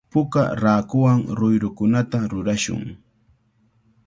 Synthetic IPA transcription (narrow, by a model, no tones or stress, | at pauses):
pʊka̰ɾaːkʊwaŋɾʊjɾʊkʊnat̪aɾʊɾaʃʊ̰ŋ